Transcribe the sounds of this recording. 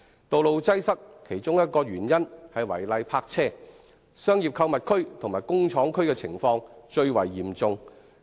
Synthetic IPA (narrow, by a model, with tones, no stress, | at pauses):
t̪o˨wlo˨wt͡sɐ˥jsɐ˥kkʰe˨˩jt͡ʃʊ˥ŋjɐ˥t̚kɔː˧ɥyː˨˩njɐ˥nhɐ˨jwɐ̰˨˩jlɐ˧jpʰaː˧k̚t͡sʰɛː˥ | sœː˥ŋjiː˨p̚kʰɐ˧wmɐ˨t̚kʰɵ˥ɥt̪ʰʊ˨˩ŋmaː˨jkʊ˥ŋt͡ʃʰɔː˨˥ŋkʰɵ˥ɥkɛː˧t͡sʰɪ̰˨˩ŋfɔː˧ŋt͡ʃɵ˧ɥwɐ˨˩jːiː˨˩mt͡sʊ˧ŋ